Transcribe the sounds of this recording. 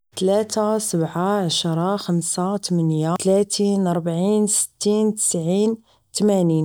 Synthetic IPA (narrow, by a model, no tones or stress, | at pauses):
t̪læt̪asəbʕaʕaʃɾˤɑxamsat̪əmənjalæt̪iːnɑɾˤbaʕiːnsə̥t̪ːiːnt̪ə̥sʕiːn | t̪mæniːn